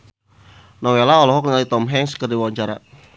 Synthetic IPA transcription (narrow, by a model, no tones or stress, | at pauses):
nɔwelaɔlɔɦɔk̚ŋalit̪ɔmɦɛŋskərdiwawaɲt͡ʃaɾa̰